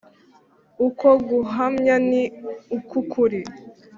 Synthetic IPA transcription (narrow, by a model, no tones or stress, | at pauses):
ukoɡuɦamɲaniukukʰuɾi